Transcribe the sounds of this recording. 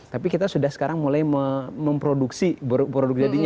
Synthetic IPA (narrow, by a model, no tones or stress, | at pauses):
t̪apikit̪asudahsə̥kaɾaŋmulajməməmpɾoduksibɾpɾodʊk̚d͡ʒadiɲ